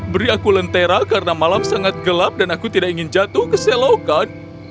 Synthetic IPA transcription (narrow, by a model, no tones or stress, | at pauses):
bəɾiakulənt̪eɾakaɾənamalamsaŋat̪̚ɡəlap̚danakut̪idakiŋɪnd͡ʒat̪ʊhkəselokan